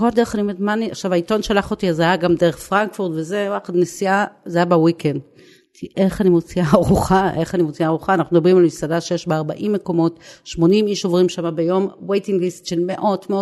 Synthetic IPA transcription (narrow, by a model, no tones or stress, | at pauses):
ko̞lde̞eχanimedmaniaχʃavaito̞nʃalaχotiazajaɡamde̞eχfʁaŋkfuʁtveze̞waχadnesiazajabawikend | tiʔeχanimot͡siaaʁuχaʔe̞χanimot͡siaːʁuχaːnaχnumed̪abʁimalmisadaʃejeʃbeaʁbaʔimːe̞ko̞mo̞tʃmo̞nimiʃo̞vʁimʃamabejo̞mwejtiŋɡlistʃelmeʔo̞dmeo